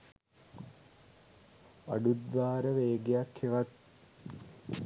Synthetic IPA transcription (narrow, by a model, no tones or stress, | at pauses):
ɐ̰ɖut̪ʋaːɾəʋeːɡejakʰːeʋɐt̪̚